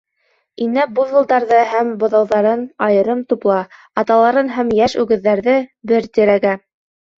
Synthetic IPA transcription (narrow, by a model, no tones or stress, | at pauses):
inæbuðɤ̆lˠd̪ɑɾðɤhæmbŏðɑwðɑɾɤnɑjɤ̆ɾɤmt̪uplˠɑ | ɑt̪ɑlˠɑɾɤnɦæmjæʃʉɡɘ̆ðːæɾðɘbɘɾt̪iɾæɡæ